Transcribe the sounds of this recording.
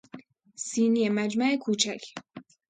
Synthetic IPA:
siːnijemæd͡ʒmæekʰuːt͡ʃʰækʰ

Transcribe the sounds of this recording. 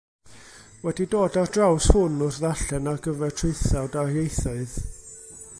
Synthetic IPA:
wɛdidoːdadrawshʊnʊrðaɬɛnaɡəvɛrtʰreɨθawdarjejθɔɨð

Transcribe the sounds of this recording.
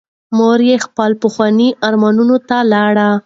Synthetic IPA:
moɾjexpɑlpəxwɑniʔaɾmɑnunot̪alɑɽa

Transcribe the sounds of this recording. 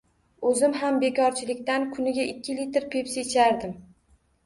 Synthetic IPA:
ɵzɪmɦambe̞kʲʰɒɾt͡ʃʰɪlɪk̚ʲt̪ankʰʊnɪɡʲaʔɪkʲʰːɪlit̪ɾpʰepset͡ʃʰaɾd̪ɪm

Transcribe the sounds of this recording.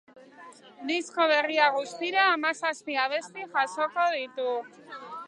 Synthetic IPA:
d̪isko̞β̞e̞riaɣ̞ust̪iɾaːmasaspiaβ̞e̞st̪iʝaʃo̞ko̞ðit̪u

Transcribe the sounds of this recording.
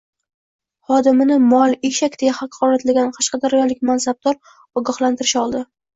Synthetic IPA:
χɒd̪ɪmɪnɪmɒlˠeʃakʲd̪ejahɑqʰɒɾat̪laɡʲanqʰɑʃqɑd̪aɾajɒlɪkʲmansab̚d̪̥ɒɾ | ɒɡʲɒhlant̪ʰɪɾɪʃɒlˠd̪ɪ

